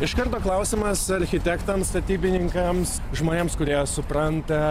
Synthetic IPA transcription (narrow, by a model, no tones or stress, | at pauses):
ɪʃkɐɾt̪oːklˠɐʊsʲɪmɐsɐɾʲxʲɪt̪ʲɛkt̪ɐmst̪ɐt̪ʲiːbʲɪnʲɪŋkɐms | ʒmoːnʲeːmskʊɾʲiɛsʊpɾɐnt̪ɐ